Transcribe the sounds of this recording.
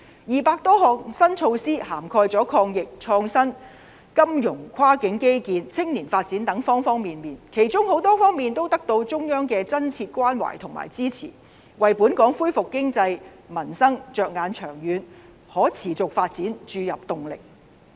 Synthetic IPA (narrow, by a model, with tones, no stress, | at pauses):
jiː˨paː˧k̚t̪ɔː˥hɔː˨k̚sɐ˥nt͡ʃʰo˧wsiː˥haː˨˩mkʰɔː˧jt͡sɔː˨˥kʰɔː˧ŋjɪ˨k̚t͡ʃʰɔː˧ŋsɐ˥n | kɐ˥mjʊ˨˩ŋkʷʰwaː˥kɪ˨˥ŋke˥jkiː˧nt͡sʰɪ˥ŋniː˨˩nfaː˧t̚t͡siː˨˥nt̪ɐ˨˥ŋfɔː˥ŋfɔː˥ŋmiː˨nmiː˨nkʰe˨˩jt͡sʊ˥ŋho˨˥wt̪ɔː˥fɔː˥ŋmiː˨nt̪o˥wt̪ɐ˥k̚t̪o˧wt͡sʊ˥ŋjœː˥ŋkɛː˧t͡sɐ˥nt͡sʰiː˧t̚kʷaː˥nwa̰˨˩jt̪ʰʊ˨˩ŋma̰ː˨˩jt͡siː˥t͡sʰḭː˨˩ | wɐ˨jpuː˨˥nkɔː˨˥ŋfuː˥jfʊ˨kːɪ˥ŋt͡sɐ˧j | mɐ˨˩nsɐ˥ŋt͡ʃœː˨k̚ŋaː˨˧nt͡ʃʰœː˨˩ŋjyː˨˧n | hɔː˨˥t͡sʰiː˨˩t͡sʊ˨k̚faː˧t̚t͡siː˨˥nt͡ʃyː˧jɐ˨p̚t̪ʊ˨ŋlɪ̰˨k̚